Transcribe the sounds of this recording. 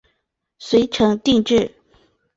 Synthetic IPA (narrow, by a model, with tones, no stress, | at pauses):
swe˧˥ɪʈ͡ʂʰɤ˧˥ŋt̪i˥˧ŋʈ͡ʂɻ̩˥˩